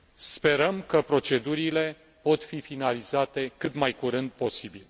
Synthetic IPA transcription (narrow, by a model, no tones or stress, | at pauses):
spe̞ɾəmkəpɾo̞t͡ʃe̞d̪uɾile̞ | po̞t̪fifinalizat̪e̞kɨt̪majkuɾɨnd̪̚po̞sibil